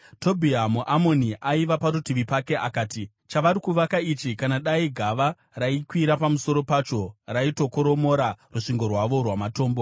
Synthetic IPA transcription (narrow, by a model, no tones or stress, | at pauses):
to̞bʱiamuʔamo̞niʔaiʋapaɾutiʋipake̞ʔakaːti | t͡ʃaʋaɾikuʋakait͡ʃikanaɗaiɡʱaʋa | raikwiɾapamuso̞ɾo̞paːt͡ʃo̞raitoko̞ɾo̞mo̞ɾaruʂiŋɡo̞rwaʋo̞rwamato̞ːmbo̞